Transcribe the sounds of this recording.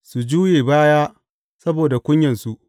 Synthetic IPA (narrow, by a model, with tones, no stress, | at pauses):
su˨d͡ʒuː˦jeː˨baː˦jaː˦ | sɐ˦boː˨da˨kʷʊ˦ɲjɐ˨nsu˦ʔ